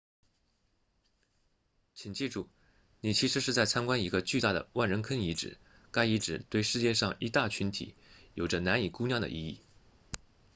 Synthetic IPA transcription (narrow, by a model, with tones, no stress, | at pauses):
t͡ɕʰi˨˩ŋt͡ɕi˥˧ʈ͡ʂu˥˩ | ni˨˩t͡ɕʰi˧˥ʂɻ̩˧˥ʂɻ̩˥˧t͡sa˥˩ɪt͡sʰa˥nkwa˥ni˧˥ɡə˧t͡ɕy˥˧t̪a˥˩d̪ə̰˩wa˥˩nɻə˧˥nkʰə˥ni˧˥ʈ͡ʂɻ̩̰˨˩˦ | ka˥ɪi˧˥ʈ͡ʂɻ̩˨˩t̪we˥˧ɪʂɻ̩˥˧t͡ɕjɛ˥˧ʂɑ˥˧ŋi˧˥t̪a˥˩t͡ɕʰy˧˥nt̪ʰḭ˨˩˦jo˨˩ʊʈ͡ʂə˦na˧˥ni˨˩ku˥njɑ˥˩d̪ə̰˩ʔḭ˥˧i˥˩